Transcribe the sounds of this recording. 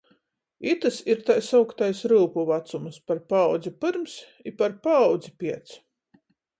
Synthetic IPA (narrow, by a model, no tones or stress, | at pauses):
it̪ɨsiɾt̪ajsawkt̪ajsɾɨːpuvat̪sumspaɾpawd̪zipɨɾms | ipaɾpaːwd̪zipʲiɛt̪si̥